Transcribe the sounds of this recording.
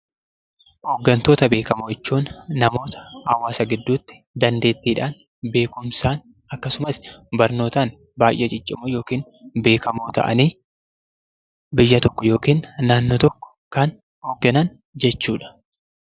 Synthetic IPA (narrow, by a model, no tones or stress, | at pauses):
hoɡːɐnt̪oːt̪ɐbe̞ːkɐmoːɛt͡ʃːuːnːɐmo̞ːt̪ɐ̥hɐwːaːsɐɡɪd̪ːuːt̪ːɪ̥ | d̪ɐnd̪e̞ːt̪ːiːᶑaːn | be̞ːkʊmsaːn | ɐkːɐsʊmɐsbɐɾno̞ːt̪aːn | baːjʔːɛt͡ʃʼɪt͡ʃʼːɪmojo̞ːkiːn | be̞ːkɐmo̞ːt̪ɐ̰ʔɐ̰niː | bɪjːɐt̪ɔkːɔjo̞ːkiːnːaːnːoːt̪ɔkːɔ̥ | kɐn | hɔɡːɐnɐn | d͡ʒɛt͡ʃːuːᶑɐ̥